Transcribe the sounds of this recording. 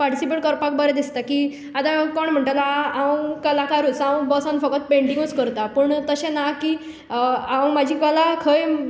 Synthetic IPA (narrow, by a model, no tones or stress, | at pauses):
paɾʈisipeʈ̚kɔɾpakbəɾɛd̪ist̪aki | at̪akɔɳm̤əɳʈalaaə̃kəlakaɾut͡saə̃bɔsãnfəkət̪̚peɳʈĩŋɡut͡skəɾt̪apəɳt̪əɕẽnakiː | aə̃mad͡ʑʱiːkəlakʰəj